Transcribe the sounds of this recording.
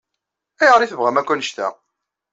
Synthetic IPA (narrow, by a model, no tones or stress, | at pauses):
æjəʁɾiθəvʁæmækʷːænəʃt̪æ̰